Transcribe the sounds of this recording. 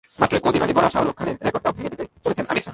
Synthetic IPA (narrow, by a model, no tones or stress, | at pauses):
mat̪ːɾoekod̪imanibɔɽaʃaɦolokʰːaneɾɾekɔɖ̚ʈaobʱeŋed̪it̪et͡ɕolet͡ɕʰenʔa̰mi